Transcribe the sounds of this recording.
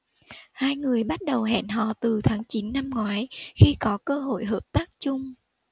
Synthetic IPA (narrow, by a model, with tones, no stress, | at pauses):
haː˧jŋɨ˨˩əjɓa˦˥t̚ɗə˨˩wɦɛ̰˧˨nɦɔ̰˧˨t̪ɨ˨˩t̪ʰaː˨˦ŋt͡ɕi˨˦nːa˧mŋwaː˨˦jxi˧kɔ˨˦kəː˧ɦo̰˧˨jɦəː˨˩p̚t̪aː˦˥k̚t͡ɕʊ˧ŋ͡m